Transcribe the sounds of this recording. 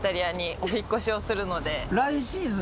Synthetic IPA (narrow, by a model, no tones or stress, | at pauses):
t̪aɾʲiaɲ̟iʔo̞çikːo̞ɕio̞sɨɾɯ̟no̞d̪e̞ɾaiɕĩːzɨ